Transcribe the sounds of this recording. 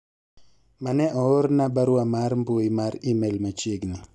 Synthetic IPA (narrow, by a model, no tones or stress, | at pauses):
manɛʔɔoɾnabaɾwamaɾmboimarimelmat͡ʃeɡnɪ